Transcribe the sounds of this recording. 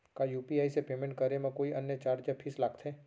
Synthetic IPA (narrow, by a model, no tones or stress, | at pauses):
kajuːpiaːisepeːmẽɳʈ̚kɐɾemɐ̃koːiʔɐnjət͡ʃaːɾd͡ʒəpʰɪslaːɡt̪ʰeː